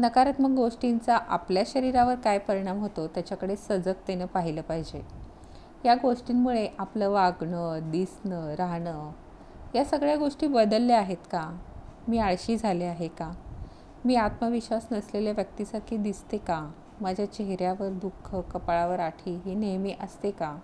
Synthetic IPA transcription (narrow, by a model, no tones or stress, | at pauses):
nəkaɾət̪məɡɡoʂʈint͡saʔapljaɕəɾiɾaʋəɾkajpəɾiɽ̃amɦot̪ot̪jat͡ɕakəɽesəd͡zək̚t̪enəpaɦiləːpaɦid͡ʑe | jaɡoʂʈiːnmuɭeʔapləʋaɡɳəd̪isnəːɾaɦɳə | jasəɡɭjaɡoʂʈiːbəd̪əlːeaɦet̪kamiːaɭɕiːd͡zʱaleaɦeka | miːat̪məʋiɕʋasnəsleljaʋjək̚t̪iːsaɾkʰiːd̪ist̪eka | mad͡ʑʱjat͡ɕeɦɾjaʋəɾd̪ukʰːəkəpɭaʋəɾaʈʰiːɦiːnemiʔəst̪eka